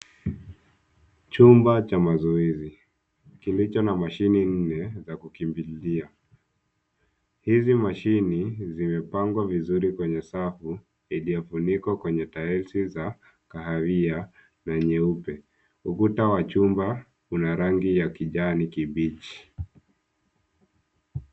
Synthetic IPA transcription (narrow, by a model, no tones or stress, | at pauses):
t͡ʃumbat͡ʃamazɔizi | kilit͡ʃɔnamaʃinin̩nɛzakukimbilia | hizimaʃinizimɛpaŋɡwavizuɾikwɛɲɛsafu | ilijɔfunikwakwɛɲɛtaɛlsiza | kaɦavia | naɲɛupɛ | ukutawat͡ʃumba | unaɾaŋɡijakiʄanikiɓit͡ʃi̥